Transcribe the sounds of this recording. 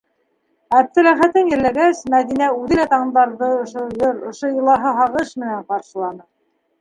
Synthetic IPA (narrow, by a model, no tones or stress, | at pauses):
æb̚t̪ɘ̆læχæt̪ɘnjɘ̆ɾlæɡæsmæðinæʉðɘ̆læt̪ɑɴnd̪ɑɾðɤŏʃojɤɾŏʃojɤ̆lˠɑɦɤɦɑʁɤʃmɘ̆næɴqɑɾʃɤ̆lˠɑnɤ